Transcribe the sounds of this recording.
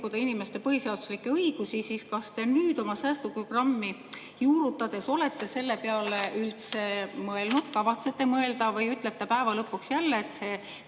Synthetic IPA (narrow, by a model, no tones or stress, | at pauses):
kud̪ɑinime̞st̪e̞pɤhiseɑd̪̥u̥slikːe̞ɤiɡ̥usisiːskɑst̪e̞nyːd̪̥o̞mɑsæːst̪upro̞ɡ̥rɑmːi | juːɾut̪ːˑɑd̪̥e̞so̞le̞t̪ˑːe̞se̞lːe̞peɑleylt̪se̞mɤe̞lnud̪̥kɑvɑt̪se̞t̪ːe̞mɤe̞ld̪ɑvɯjyt̪ˑlet̪ːe̞pæevɑlɤpːuksjælːeːt̪ːse̞